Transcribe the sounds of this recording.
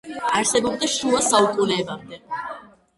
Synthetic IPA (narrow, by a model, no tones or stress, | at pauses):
aɾsɛbɔbd̪aʃɾuasaukʼulɛːbamd̪ɛ